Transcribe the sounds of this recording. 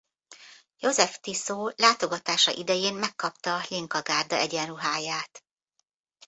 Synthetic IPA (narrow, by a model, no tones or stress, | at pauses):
jo̞zɛft̪isoːlaːt̪o̞ɡɒt̪aːʃɒ̰ʔid̪ɛjeːnmɛkːɒpt̪ɒːliŋkɒɡaːrd̪ɒʔɛɟɛnruɦaːjaːt̪